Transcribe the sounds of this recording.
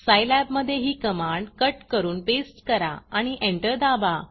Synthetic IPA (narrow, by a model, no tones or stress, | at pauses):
sajlæbməd̪ʱːjeɦiːkəmaɳɖkəʈkəɾuːnpesʈkəɾa̰aɽ̃iʔeɳʈəɾd̪aba